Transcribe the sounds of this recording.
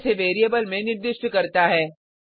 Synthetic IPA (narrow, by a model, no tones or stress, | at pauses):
seʋeːɾijəbəlmẽnɪɾd̪ɪʃʈkɐɾt̪aɦɛː